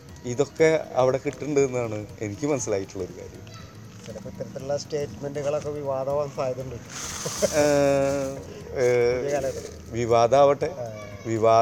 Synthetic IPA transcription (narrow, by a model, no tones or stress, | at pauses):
iðo̞kːe̞ɐʋiɽe̞kiʈːuɳɖɨðenːuaːɳɨe̞nikʲːɨmɐnɐsilaːjiʈːuɭːɐoɾuka̰ːɾjɐ̰m | t̪iɾɐpːɐt̪ːɐɾɐt̪ːilːasʈeːtmenduɣɐɭokːeʋiʋaːd̪ɐʋaːnsaːjt̪ːuɳɖu | ɐl | ʋiʋaːd̪aːʋɐʈːe̞ | ʋiʋaː